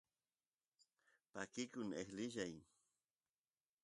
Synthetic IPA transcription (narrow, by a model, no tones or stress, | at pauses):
pakɪkʊnehlɪʒaj